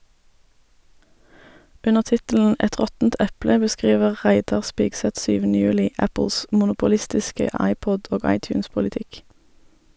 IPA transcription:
ˈʉnəʁ ˈtɪtl̩n̩ ˈɛt ˈʁɔtn̩t ˈʔɛplə bəˈskʁiːʋəʁ ˈʁæɪdɑʁ ˈspiːɡsɛt ˈʃyːʋn̩ə ˈjʉːlɪ ˈæpəls mʊnʊpʊˈlɪstɪskə ˈɑɪˌpɔd ˈoːɡ ˌɑɪˌtjʉːnspʊlɪˈtɪk

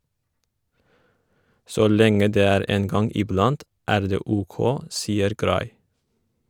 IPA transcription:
ˈsoː ˈlɛŋə ˈdeː ˈæːɾ ˈeːn ˈɡɑŋ ɪˈblɑnt ˈæːɾ ˈdeː ˈuːˌkoː ˈsiːəɾ ˈɡɾɑɪ

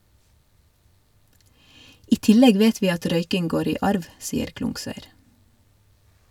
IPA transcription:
ˈiː ˈtɪlɛɡ ˈʋeːt ˈʋiː ˈɑt ˈɾœʏkɪŋ ˈɡoːɾ ˈiː ˈʔɑɾʋ ˈsiːəɾ ˈklʊŋsœʏɾ

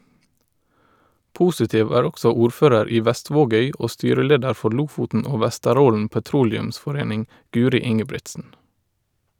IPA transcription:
ˈpuːsɪtɪʋ ˈæːɹ ˈɔksɔ ˈuːɾˌføːɾəɾ ˈiː ˈʋæˌstʋoːˌɡœʏ ˈoː ˈstyːɾəˌleːdəɾ ˈfɔ ˈɭʊfʊtn̩ ˈoː ˈʋæstəˌɾoːln̩ pəˈtɾuːlɛʉmsfɔˌɾeːnɪŋ ˈɡʉːɾɪ ˈɪŋəbɹɪtsn̩

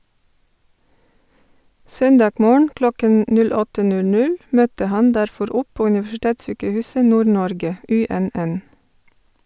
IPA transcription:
ˈsœnˌdɑːɡ ˈmoːɳ̩ ˈklɔkən ˈnʉl ˈɔtə ˈnʉl ˈnʉl ˈmœtə ˈhɑn ˈdæɾˌfɔɾ ˈɔp ˈpoː ʉnɪʋæʃɪˈteːtˌsyːkəˌhʉːsə ˈnuːɾˌnɔɾɡə ˈʔʉˌɛnˌʔɛn

